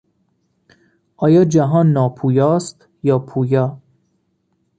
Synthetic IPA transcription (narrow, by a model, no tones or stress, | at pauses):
ʔɒːjɒːd͡ʒæɦɒːnːɒːpʰuːjɒːst̪ | jɒːpʰuːjɒː